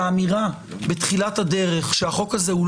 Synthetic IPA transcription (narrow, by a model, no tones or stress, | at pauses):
miʁa | betχilathade̞ʁe̞χʃeaχo̞khaze̞ul